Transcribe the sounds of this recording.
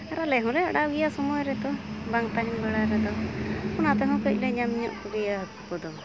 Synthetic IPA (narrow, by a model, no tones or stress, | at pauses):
aɾalɛɦɔ̃ɾɛa̰ɽawijasɔmɔjɾɛt̪ɔbaŋt̪aɦinbɛɽaɾɛd̪ɔpɔnat̪ɛɦɔ̃kəc̚ˀlɛɲamɲɔʔkubijaɦət̪kɔd̪ɔ